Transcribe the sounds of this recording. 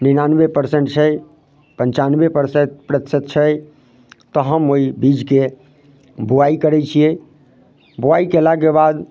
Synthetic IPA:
ninanbepəɾsẽɳʈ̚t͡ʃʰɛj | pənt͡ʃanbepəɾseʈ̪pɾət̪sət̪̚t͡ʃʰə | t̪ɔɦəmoibid͡ʒke | buaikəɾɛt͡ʃʰiɛ | buaikelaɡebad̪

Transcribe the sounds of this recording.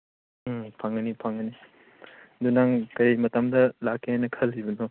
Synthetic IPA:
pʰaŋɐnipʰaŋɐni | dunaŋkɐɾjmɐtɐmdɐlakʰːeenːɐkʰɐlːibɐno

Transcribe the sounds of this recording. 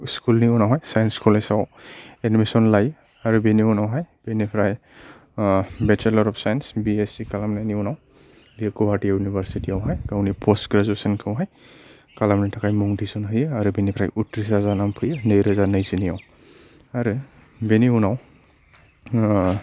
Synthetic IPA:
skulniunawɦɔjsajnskʰulejsawenimesɔnlaj | aɾubeniunawɦajb̥enipʰɾaj | bɛt͡ʃʰɛlɔɾɔpsajɛnsbiesikalamnaniunaw | biɛkɔbatiajunibaɾsitiawɦajɡawnipʰɔstɡɾazuesɔnkʰawɦaj | kalamnatʰakajmuŋdisɔnɦɯjɯaɾubinipʰɾajʔutɾisazanampʰɯjɯnɯjɾɯzanajzinijaw | aɾɯ | beniunaw

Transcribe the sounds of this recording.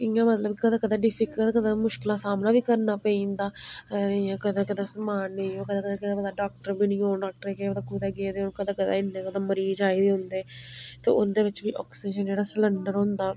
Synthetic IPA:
ɪjãːmət̪ləbkəd̪ãːkəd̪aːɖɪpʰɪkːəd̪ãːkəd̪ãːmʊʃkɪlaːsaːmnãːʋiːkəɾnaːpəĩːnd̪aː | ãkəd̪ãːkɪd̪aːsəmaːnẽõːkəd̪aːkəd̪ãːkɪd̪aːbəd̪aːɖaːk̚ʈəɾbiːnĩːoːnɖaːk̚ʈəɾkeːbəd̪aːkuːd̪aːɡeːd̪eːõːnkəd̪aːkəd̪aːɪnːẽːkəd̪ãːməɾiːd͡ʒaːiːd̪eːɦʊ̃nd̪eːt̪ḛːʊnd̪eːʋɪt͡ʃʋiːʔɔːkseːʃənd͡ʒeːɽaːsələɳɖəɾɦõːnd̪aː

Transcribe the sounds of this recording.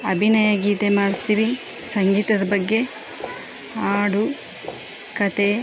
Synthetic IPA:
ɐbʱinajaɡiːt̪emaːɽist̪iːʋi | sɐŋɡiːt̪ɐd̪ɐbɐɡːe̞ | aːɽu | kɐt̪e̞

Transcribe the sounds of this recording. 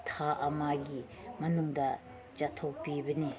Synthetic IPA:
t̪ʰaʔɐmaɡi | mɐnuŋdɐ | t͡ʃat̪ʰok̚pibɐni

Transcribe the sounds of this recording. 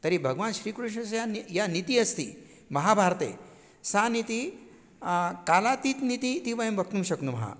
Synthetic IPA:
t̪əɾibʱəɡʋanɕɾiːkɾuʂ̬nəsjanijanit̪iɐst̪ḭ | mɐɦabʱaɾt̪ḛ | sãnit̪i | kalat̪iːt̪nit̪it̪ipaɦembək̚t̪ũmɕɐknumɐɦã̰

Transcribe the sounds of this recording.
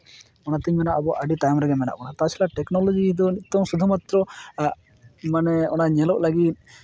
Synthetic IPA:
ɔnat̪ɛmɛnaʔbɔʔaɖiʈajmɾɛɡɛmɛna̰ʔbɔnat̪at͡ʃʰilaʈɛknɔlɔd͡ʒid̪ɔnit̪ːɔmsud̪ʱumat̪ɾɔ | manɛɔnaɲɛlɔʔlaɡit̪̚

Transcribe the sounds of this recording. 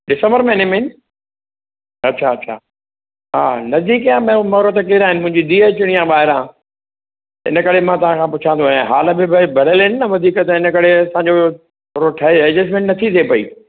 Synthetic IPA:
ɖɪsə̃mbəɾmẽɪnəmẽɪn | ɐtːɕʰaɐtːɕʰa̰ː | ɦaːnɐzd̪iːkjãːmẽmɐɾət̪kiɾaːɦɪnɪ̆mʊ̃ɦɪ̃ɲd͡ʑid̪iːeːt͡ɕʊɽ̃ijãːbaːɦɪɾãː | t̪ɪ̰nəkɐɽ̤emãt̪ɐʋ̤ãkʰãːpʊt͡ɕʰãnd̪oaẽɦaːləbɪbʱbʱɐɽ̤əlɪnɪnɐʋɐd̪ʱiːkət̪ɪnə̆kɐɽeɐsãːɲd͡ʑo | ɾoʈʰɐɛːd͡ʑes̬mẽʈnɐt̪ʰit̪ʰepɐḭː

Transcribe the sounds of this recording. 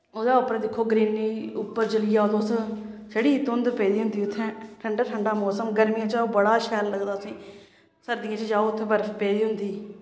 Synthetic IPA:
oːd̪aːʊpɾːd̪ɪkʰːoːɡɾiːniːʊpːəɾd͡ʒəlɪjaːoːd̪ossəɽiːt̪ʊnd̪peːd̪iːɦʊnd̪iːʊt̪ʰːɛ̃ːʈʰəɳɖaːʈʰəɳɖaːmɔːsəmɡəɾmɪjãːt͡ʃaoːbəɽaːʃɛːlːəɡd̪aːsĩː | səɾd̪ɪãːt͡ʃd͡ʒaːoʊt̪ʰːebəɾpeːd̪iːɦʊnd̪iː

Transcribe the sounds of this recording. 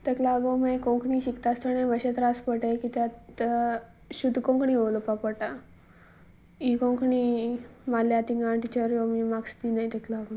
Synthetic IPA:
t̪eklaɡomejkõŋkɳiɕikt̪ast̪ənejməɕet̪ɾaspəʈajkit̪jat̪ | ɕud̪ʱːkõŋkɳiolopapəʈa | ikõŋkʰɳimaljat̪iŋɡaɳʈit͡ɕəɾjomimakst̪inajt̪ɛklaɡon

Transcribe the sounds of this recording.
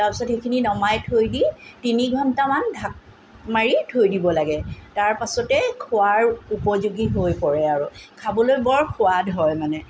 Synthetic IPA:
taɹpisɔtxekʰininɔmajtʰojditiniɡʱɔntamandʱak̚ | maɹitʰojdibɔlaɡɛtaɹpasɔtɛkʰʊaɹupɔzuɡiɦojpɔɹɛaɹukʰabɔlojbɔɹkʰʊadɦɔjmanɛ

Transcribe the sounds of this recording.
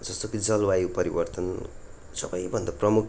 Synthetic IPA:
d͡zʌst̪okid͡zʌlwajupʌɾibʌrt̪ʌn | sʌbʌjbʱʌnd̪aprʌmuk

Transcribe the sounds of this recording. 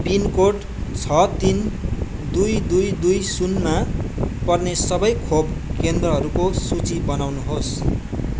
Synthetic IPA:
binkoʈ | t͡sʰʌt̪in | d̪ujd̪ujd̪ujsunmapʌrnesʌbʌjkʰobkend̪rʌɦʌɾukosut͡sibʌnawnuɦos

